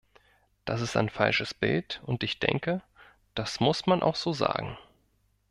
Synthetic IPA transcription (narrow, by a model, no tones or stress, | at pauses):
d̥asɪstaɪnfa̰lʃəsb̥ɪltʊntɪçd̥ɛ̰ŋkə | d̥asmʊsmanʔa̰ʊxz̥oːza̰ːɡŋ̩